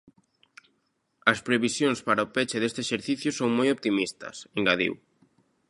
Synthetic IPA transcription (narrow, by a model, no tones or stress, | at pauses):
ɐspɾeβisjoŋspaɾaopet͡ʃeðest̪eʃeɾθiθjʊsoŋmojop̚t̪imist̪ɐ̰seŋɡaðḭw